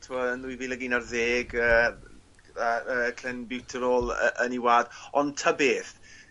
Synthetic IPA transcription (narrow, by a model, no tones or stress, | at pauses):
tʰɪmɔənðwiviːlɛɡinarðeːɡə | aəːkʰlɛnbɪwtʰəɾoːlˠə̰ʔəniwaːdɔntʰəbeːθ